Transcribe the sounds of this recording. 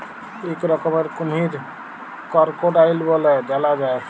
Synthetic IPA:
ekɾəkəmeɾkumɦiɾ | kəɾkoɖailbɔlɛdɛlad͡ʒae

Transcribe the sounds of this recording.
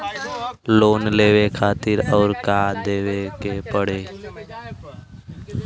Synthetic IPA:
loːnleːʋekʰaːt̪ɪɾɔːɾkaːd̪eːʋekepəɽeː

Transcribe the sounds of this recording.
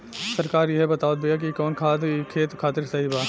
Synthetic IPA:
sɐɾkaːɾjeɦbɐt̪aːod̪̚bejak̬ikɔːnkʰaːt̪kʰeːt̪kʰaːt̪ɪɾsɐɦibaː

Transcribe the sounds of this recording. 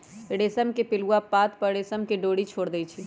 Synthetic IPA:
ɽeːsəmkepɪluapaːt̪pəɽesəmkeɖoːɽit͡ʃʰoːɽd̪ɛjt͡ʃʰi

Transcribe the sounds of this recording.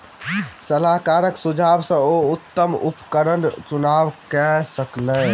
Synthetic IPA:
səlaɦkaɾəksud͡ʒʱabsə̃out̪ːəmupkəɾənt͡ʃunaʋkɛsəklə

